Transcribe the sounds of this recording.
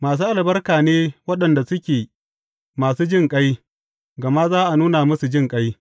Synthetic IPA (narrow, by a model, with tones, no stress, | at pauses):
maː˨s̬uː˦ʔa˨lbɐ˦rkaː˨neː˦wɐ˦ɗɐ˨nda˨sʊ˦kʲeː˨ | maː˨suː˦d͡ʒɪ˦ŋkʼa˦j | ɡɐ˨ma˦zaː˦ʔa˨nuː˦na˨mɐ˦su˨d͡ʒɪ˦ŋkʼa˦j